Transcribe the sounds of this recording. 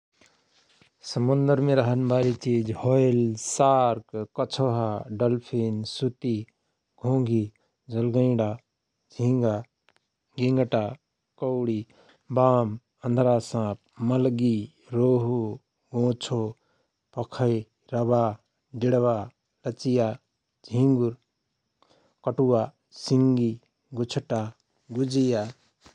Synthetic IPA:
səmund̪əɾmeɾəɦənbʱaɾit͡ʃid͡ʒhojlsaɾkkət͡ʃʰoɦaɖəlpʰinsut̪i | ɡʱõːŋɡʱi | d͡ʒəlɡəɪ̃ɖa | d͡ʒʱĩŋɡa | ɡĩŋɡʈa | kəʊɽi | baːm | ə̃nd̪ʱɾaːsãːp̚mɐlɡi | ɾoːɦu | ɡõːt͡ʃʰoː | pɐkʰəj | ɾɐbaː | d̪ɪɽʋaː | lɐt͡ʃija | d͡ʒʱĩŋɡuɾ | kəʈuaː | siŋɡi | ɡut͡ʃʰʈaː | ɡud͡ʒijaː

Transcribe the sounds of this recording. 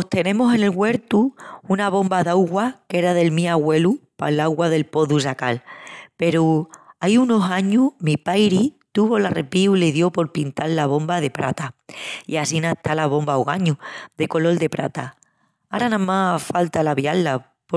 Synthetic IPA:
ot̪e̞nẽ̞mose̞ne̞lɣwe̞ɾt̪uunaβõ̞mbaðawɣwake̞ɾaðe̞lmĩaɣwe̞lupa̰lawɣwaðe̞lpo̞ðusakalpe̞ɾuajuno̞saɲumipajɾit̪uβo̞lare̞piuleðjo̞po̞ɾpint̪allaβ̞o̞mbað̞e̞pɾa̰t̪aḭasinaet̪alaβo̞mbawɣaɲuðe̞ko̞lo̞ld̪e̞pɾa̰t̪a | aɾanãmafalt̪alaβjalːa | p

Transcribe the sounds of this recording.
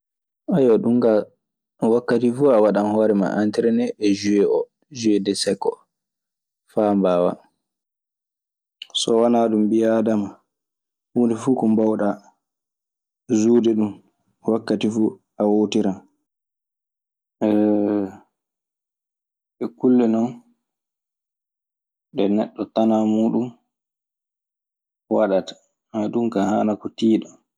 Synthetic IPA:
ʔajɔɗumɡa | wakːatifuawaɗanhɔːɾɛma̰ʔantɛɾɛnɛʔːd͡ʒuwɛʔɔ | d͡ʒuwɛdɛsɛkːɔ | faːmbaːwa̰ | sɔwanaɗumbijadama | uːndɛfuːkɔmbawɗa | zuːdɛɗum | wakːatifuː | awoːtiɾa | ɓɛkulːɛnɔn | ɗɛnɛɗːɔtanamuːɗum | waɗatḁ | maɗumkaha̰ːnakɔtiːɗɔ

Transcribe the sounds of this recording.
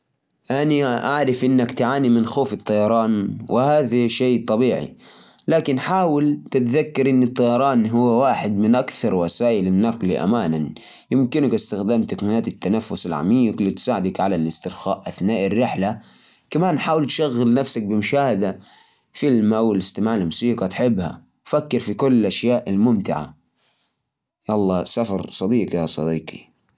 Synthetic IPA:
ʔaniʔaʕɾˤɪfʔɪnːakt̪ʕaːnimɪnxoːfɪt̪ˤːɑjɑɾˤɑːnwɪhaːðaʃeːt̪ˤɑbiːʕḭ | laːkɪnħaːwɪlt̪ɪt̪ðakːɑɾˤʔɪnːɨt̪ˤːɑjɑɾˤɑːnɦʊwːawaːħɪd̪mɪnʔakθɑɾˤwasaːʔɪlanːaqliʔa̰maːnan | jɪmkɪnakʔɪst̪axd̪aːmt̪akmiːnaːt̪ɪt̪ːanafːʊsalʕa̰miːqlit̪saːʕɪd̪akʕalalɪst̪ɪɾxa̰ːʔʔaθnaːʔɪrːɪħla | kamaːnħaːwɪlt̪ʃaɣːɪlnafsak̚bɪmʊʃaːhad̪a | fɪlmawɪlɪst̪ɪmaːʕllmʊsiːqɑt̪ħɪbːha̰ | wfakːɪɾfikʊlːʔaʃjaːʔɪlmʊmt̪ɪʕa̰ | jɑʔlˤːɑːsafɑɾˤsˤɑd̪iːqjɑsˤɑ̰d̪iːqḭ

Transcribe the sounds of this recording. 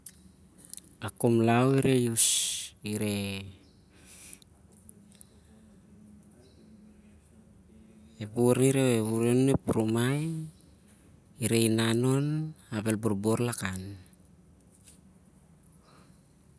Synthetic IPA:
akomlawiɾe̞jusiɾe | ebuɾniɾeeβuɾenuepɾomaj | iɾe̞jnano̞nabe̞lboɾbo̞ɾlakan

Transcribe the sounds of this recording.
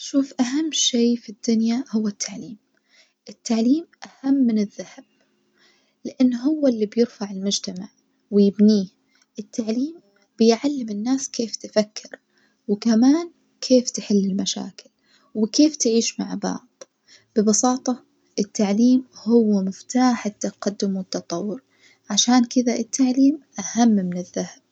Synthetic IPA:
ʃuːfʔaɦamːʃeːfid̪ːʊnjahʊwːat̪ʰːaʕliːm | ʔɪt̪ːaʕliːmʔahamːɪnɪðːahab̥̚ | lɪʔanːɦʊwːalːibjɪɾfaʕɪlmʊd͡ʒt̪amaʕ | wɪjɪbniː | ʔɪt̪ːaʕliːm | b̥ɪjʕalːɪmɪnːaːskʰeːft̪ɪfakʰːɪɾ | wɪkamaːn | kʰeːft̪ɪħɪlːɪlmaʃa̰ːkɪl | wɪkeːft̪ɪʕiːʃmaʕbɑ̰ʕd̪ˤ | b̥ɪbɑsɑːt̪ˤɑ | ʔɪt̪ːaʕliːmhʊwːamɪft̪aːħɪt̪ːaqɑd̪ːʊmwɪt̪ːɑt̪ˤɑwːʊɾ | ʕaʃaːnkɪðaʔɪt̪ʰːaʕliːmʔahamːmɪnɪðːahab̥̚

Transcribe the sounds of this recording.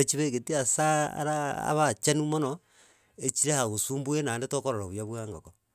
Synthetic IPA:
et͡ʃiβeɣetiasaa̰ɾaa̰βat͡ʃanumono | et͡ʃiɾehaɣosuːmbuenandetokoɾoɾoβwjaβwaːŋɡoko

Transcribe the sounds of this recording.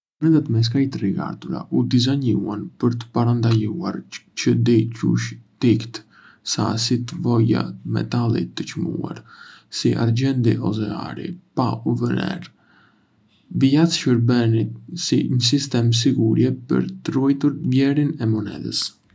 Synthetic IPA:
mɔnɛðat̪mɛs̬kajt̪riɡa̰ɾt̪uɾa̰ʔud̪izaɲuanpəɾt̪ə̥paɾand̪ajua̰ɾt͡ʃəd̪icṵʃt̪ikt̪ | sa̰sit̪əvɔja̰mɛ̰t̪alˠḭt̪ːət͡ʃmṵa̰ɾsiʔa̰ɾd͡ʑɛnd̪iʔɔzɛa̰ɾḭpauvənɛ̰ɾ | viat̪ʃəɾbɛnit̪̚siɲəs̬ist̪ɛms̬iɡuɾjɛpə̰ɾt̪ərujt̪uɾvjɛɾinɛmɔnɛ̰d̪ə̰s

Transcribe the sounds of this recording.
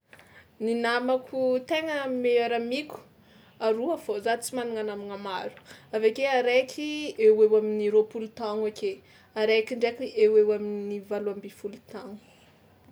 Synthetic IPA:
ninamakʰut̪eŋəmeaɾamikʲu̥ | aɾuafozat͡simaniŋanamiŋamaɾu̥avekeaɾekʰiewewaminiɾopulut̪aŋoke | aɾekiɳɖ͡ʐekiewewaminnivaluambifulut̪aŋu̥

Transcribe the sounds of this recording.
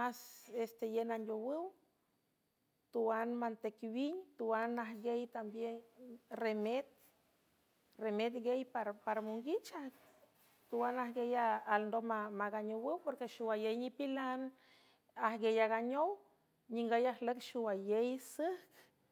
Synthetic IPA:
masest̪ejenand̪ʲowɨw | t̪uwanmant̪ekwiɲt̪uanaɦɡejt̪ambjenremet̪̚ | remet̪ɡejpaɾpaɾmuŋɡit͡ʃa | t̪uwanahɡejaːlnd̪omamaɡaɲowɨwpoɾkeʃuwajejnipilan | ahɡejaɡaɲow | ɲiŋɡajahləkʃuwajejsəhk

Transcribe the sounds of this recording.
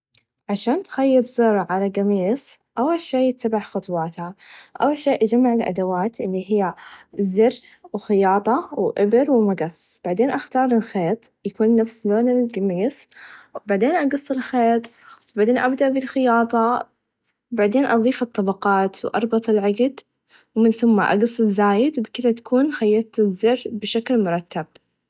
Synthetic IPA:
ʕaʃaːnt̪xajːɑt̪ˤzɪɾˤʕalaɡamiːs | ʔawːalʃeːjɪt̪ːabaħxɑt̪ˤwɑːt̪haʔawːalʃeːʔad͡ʒamːaʕɪlʔa̰d̪awaːt̪ʔɪlːiɦɪjːazɪr | wxɪjɑːt̪ˤɑwʔɪbɪɾwmaɡasˤb̥aʕd̪eːnʔaxt̪ɑːɾˤɪlxeːt̪ˤjakuːnːafsloːnɪnɪlɡamiːsbaʕd̪eːnʔɑɡɑsˤːɪlxeːt̪ˤ | wbaʕd̪eːnʔabd̪aʔbɪlxɪjɑːt̪ˤɑ | baʕd̪eːnʔɑðˤiːfɨt̪ˤːɑbɑqɑːt̪wʔɑ̰ɾˤbɑt̪ˤɪlʕaɡd̪ | wmɪnθʊmːaʔɑ̰ɡɑsˤːɪzːaːjɪd̪wbkɪðat̪ḁkʰuːnxajːɑt̪ˤɪzːɪrbɪʃaklmʊɾˤɑt̪ːab

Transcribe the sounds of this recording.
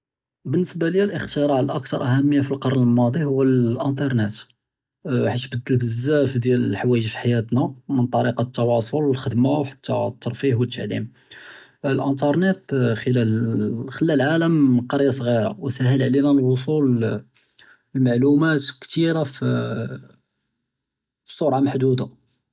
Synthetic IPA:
bənːəsbaləjːælʔəxt̪əɾˤɑʕəlʔəkt̪ɑɾˤʔæhæmːəjːafilqɑɾˤnəlmɑd̪ˤihʊwːælʔənt̪ɑɾˤnet̪ | ħaʃbəd̪ːəlbəzːæfd̪jællħwæjəʒfi̥ħajæt̪namənt̪ˤɑɾiqɑt̪ːɑwɑsˤoləlxəd̪mawħḁt̪ːa̰t̪ːɑɾˤfihwət̪ːaʕlḭm | lʔənt̪ɑɾˤnet̪xəlælxəlːælʕaləmqɑɾjɑsˤɣiɾˤɑ̰wsæhəlʕlinælwos̬ul | maʕlumæt̪kt̪iɾaf | fi̥sˤʊɾʕamaħd̪ud̪a

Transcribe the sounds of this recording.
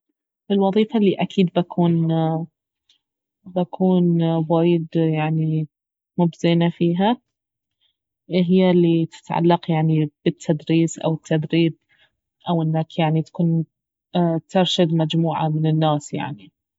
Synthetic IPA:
ʔɪlwɑðˤiːfalːiːʔakʰiːd̪bakʰuːn | bakʰuːnwaːjɪd̪jaʕni | mʊbzɪnafiːɦa | ɦɪjːalːit̪ɪ̥t̪ʕa̰lːaqjaʕnib̥ɪt̪ʰːad̪ɾiːsʔa̰wɪt̪ʰːad̪ɾiːb̪̚ | ʔawʔɪnːaːkjaʕnit̪ḁkuːn | t̪ɪɾˤʃad̪mad͡ʒmuːʕa̰mɪnɪnːaːsja̰ʕni

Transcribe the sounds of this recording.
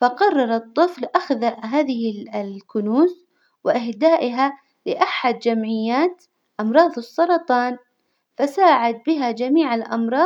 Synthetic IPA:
faqɑrˤːɑɾˤɑt̪ˤːɨflʔaxðaɦaːðɪhɪlkʊnuːs | wɪʔɪhd̪aːʔɪɦa | lɪʔaħad̪̚d͡ʒamʕɪjːaːt̪ | ʔɑmɾˤɑːðˤɨsˤːɑɾˤɑt̪ˤɑːn | fasaːʕad̪̚bɪɦad͡ʒamiːʕalʔɑ̰mɾˤɑː

